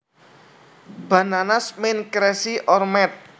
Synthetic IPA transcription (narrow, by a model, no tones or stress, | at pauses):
ba̤nanasmɪnkɾɛsiʔɔrmɛt̪̚